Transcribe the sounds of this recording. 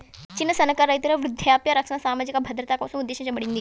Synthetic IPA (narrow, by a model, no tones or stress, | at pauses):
t͡ɕinːəsɐnɐkaɾajit̪iɾɐʋɾʊd̪ʱjaːpjaɾɐkʂɐnasaːmaːd͡ʑikabʱɐd̪ɾət̪akɐsũud̪ːeːʃɕɐ̃t͡ɕabɐɽiːnd̪iː